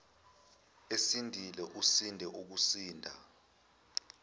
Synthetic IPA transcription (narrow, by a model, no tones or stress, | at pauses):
esindʱilɛʔusindʱɛʔuk̬usiːndʱa̰